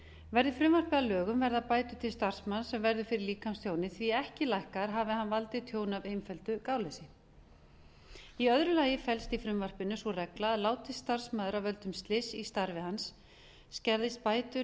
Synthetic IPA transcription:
vɛɾðʏfɾʏmvar̥pɪalœːɣʏmvɛɾðapaːjt̪ʏt̪ʰɪlst̪ar̥smansɛmvɛɾðʏfɪɾɪɾliːkamst̪ʰjoːwnɪθviɛhcɪlajhkaɾ̥ɦaːvɪɦanvalt̪ɪt̪ʰjoːwnavejmfœlt̪ʏkaːwlɛsɪ | iœðɾʏlaːjɪfɛlst̪ifɾʏmvar̥pɪnːʏsɔrɛklaaðlaːwt̪ɪsst̪aɾ̥smaːðʏɾawvœlt̪ʏmst̪lɪsist̪aɾvɪhansː | cɛɾðɪst̪̚paːjt̪ʏ

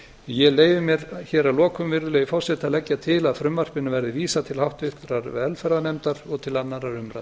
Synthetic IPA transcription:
jɛleːjvɪmjɛɾçɛːɾalɔːkʏmvɪɾðʏlejʏfɔ̥sɛt̪aðlɛcːat̪ʰɪlaðfɾʏmvar̥pɪnʏvɛɾðɪviːsat̪ʰɪlhawht̪ʏht̪ɾaɾvɛlfɛɾðanɛmt̪aɾɔɣt̪ʰɪlanːaɾaɾʏmɾa̰

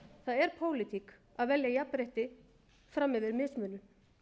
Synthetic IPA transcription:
θaðɛɾ̥pʰoːwlɪt̪ʰik | aðvɛljajapːɾeht̪ɪ | fɾamːɪvɪɾmɪːsmʏːlʏm

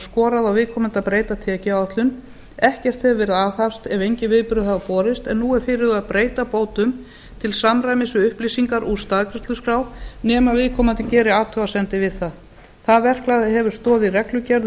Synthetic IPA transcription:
skɔːɾaðawvɪðkʰɔːmant̪aðpɾeːjt̪at̪ʰɛːcɪawht̪lʏn | ɛhcɛr̥t̪θɛvvɛːɾɪðaθafst̪ɛvejɲcɪvɪðpʏɾðʏθaðapɔːɾɪst̪ɛnːuːɛɾfɪːɾɪðaðpɾeːjt̪apoːwt̪ʏm | t̪ʰɪlsamɾajmɪsʏʏhplisiŋkaɾʔust̪aðkɾɪst̪lʏskɾaːwnɛːmavɪðkʰɔːmant̪ɪcɛːɾɪaːt̪ʰœwasɛnt̪ɪvɪðθað | θaðvɛr̥klajðɪɦɛvʏɾ̥st̪ɔːðɪirɛklʏcɛɾð

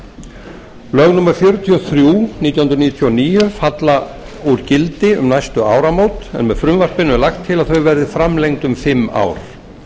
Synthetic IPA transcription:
lœɣnumɛɾ̥fjœɾʏt̪ʰiɔθɾjuːniːt̪jwhʏnɾniːjt̪ʰjiɔniːjʏfat̪la | uɾcɪlt̪ɪʏmnajst̪ʏaːwɾamoːwt̪ɛ̰nmɛðfɾʏmvar̥pɪnʏlaxt̪ʰːɪlaðθœɥvɛɾðɪfɾamlejŋt̪ʏmfɪmːa̰ːwɾ̥

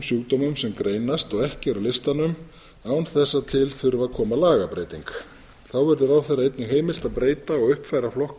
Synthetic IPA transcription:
msjuːkt̪ɔːmʏmsɛmkɾeːjnast̪ɔɣɛhcɪɾawlɪst̪anʏm | aːwnθɛsːat̪ʰɪlθʏɾvakʰɔːmalaːɣapɾejt̪iŋk | θawvɛɾðʏɾaːwθejɾaejt̪nɪɦeːjmɪl̥t̪aðpɾeːjt̪aɔɣʏhpfajɾaflɔhk

